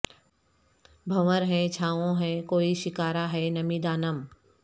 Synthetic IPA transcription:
bʱɐʋəɾɦɛ̃t͡ʃʰaːʋõɦɛ̃koːiʃɪkaːɾaɦɛnɐmiːd̪aːnəm

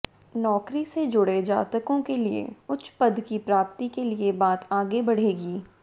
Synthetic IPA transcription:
nɔːkɾised͡ʒʊɽed͡ʒa̰ːt̪əkõkeliḛʊt͡ʃpəd̪kipɾaːp̚t̪ikeliebaːt̪aːɡebɐɽ̤eːɡiː

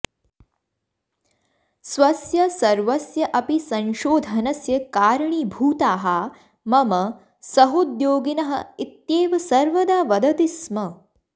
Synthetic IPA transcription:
sʋɐsjɐsɐɾʋɐsjɐʔɐpisɐnʃoːd̪ʱɐnɐsjɐkaːɾɐɳiːbʱuːt̪aːɦɐ | mɐmɐ | sɐɦud̪joːɡinɐɦɐ̆it̪jeːʋɐsɐɾʋɐd̪aːʋɐd̪ʱɐt̪ismɐ

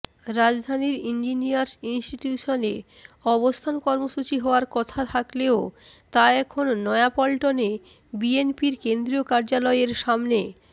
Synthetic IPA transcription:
ɾad͡ʑd̪ʱaniɾind͡ʑiniaɾsinsʈiʈjuʃone | ɔbost̪ʰankɔɾmoʃut͡ɕiɦɔoaɾkɔt̪ʰat̪ʰakleot̪aɛkʰonːɔeapɔlʈone | bienpiɾkend̪ɾiokaɾd͡ʑalɔeeɾʃamne

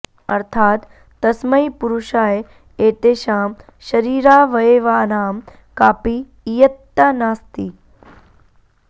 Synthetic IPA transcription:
ɐɾt̪ʰaːt̪ː | ɐsmɐjpuɾuʃaːje | eːt̪eːʃaːm | ʃɐɾiːɾaːʋɐjeːʋaːnaːm | kaːpiː | jɐt̪ːanaːst̪i

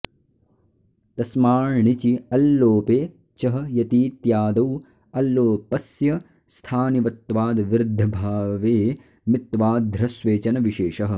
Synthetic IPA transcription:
t̪ɐsmaːɻɳit͡ʃiɐlːoːpeː | t͡ʃɐɦɐ̆jɐt̪iːt̪jaːd̪ɐw | ɐlːoːpɐsjɐ | st̪ʰaːniʋɐt̪ːʋaːd̪ʋiɾd̪ʱːɐbʱaːʋeː | mit̪ʋaːd̪ʱɾɐsʋeːt͡ʃɐnɐʋiʃeːʃɐɦɐ̆

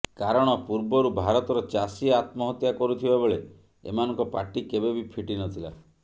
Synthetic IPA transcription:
kaɾɔɽ̃ɔpuɾbɔɾubʱaɾɔt̪ɔɾɔt͡ʃasiat̪mɔɦɔt̪jakɔɾut̪ʰibabeɭe | ḛmanɔŋkɔpaɾʈikebebipʰiʈinɔt̪ʰila̰

